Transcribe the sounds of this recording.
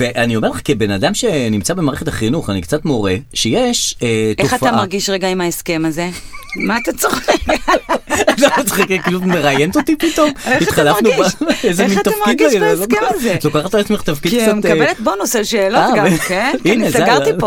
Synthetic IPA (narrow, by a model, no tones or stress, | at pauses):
veʔanio̞me̞ʁleχakibenadamʃenimt͡sabemaːʁeχet̪aχinuχanikt͡sat̪moʁeʃejeʃeteoafaamaʁɡiʃʁeɡaimaeskemazemaat̪at͡soχe | anaut͡sχikkilumeʁajent̪ot̪ipit̪o̞mitχalafnubezemint̪afid̪laiekzlokaχat̪alat͡smeχt̪afkid̪̚kt͡samtlet̪̚bonoseʃeːloatːɡavekenkinneseɡaʁio